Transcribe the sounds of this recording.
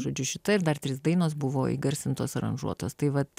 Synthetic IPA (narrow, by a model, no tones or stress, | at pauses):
ʒoːd͡ʒʲʊʃʲɪt̪ɐɪɾd̪ɐrt̪ʲɾʲɪsd̪ɐɪnoːsbʊʋoːḭːɡɐɾʲsʲɪnt̪oːsɐɾɐ̰nʒṵɔt̪oːst̪ɐɪʋɐt̪